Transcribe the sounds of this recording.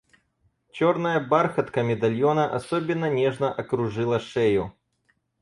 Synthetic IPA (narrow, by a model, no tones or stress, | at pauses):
t͡ɕɔrnɐjɐbarxɐt̪kɐmʲɪd̪ɐlʲjonɐʔɐ̰sɔbʲɪnːɐnʲɛʐnɐʔɐkɾʊʐɨlˠɐʂɛjʊ